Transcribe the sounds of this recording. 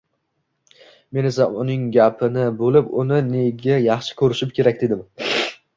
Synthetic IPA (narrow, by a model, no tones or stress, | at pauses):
me̞ne̞saʊnɪŋɡʲapʰɪnɪbolɪpʊnɪne̞ɡʲajɑχʃɪ̥kʰʲɵɾɪʃɪpkʲʰe̞ɾakʲd̪e̞d̪ɪm